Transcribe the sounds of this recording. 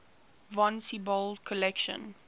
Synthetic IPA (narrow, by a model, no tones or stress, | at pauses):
vɔ̃nsibɔlkʰɔlɛkʃə̰̃n